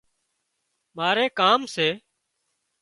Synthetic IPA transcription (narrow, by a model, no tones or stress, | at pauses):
maːɾeːkaːmseː